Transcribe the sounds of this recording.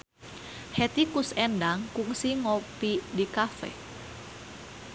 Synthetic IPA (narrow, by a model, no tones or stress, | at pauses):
hɛt̪ikusɛndaŋkuŋsiŋopidikafɛ̰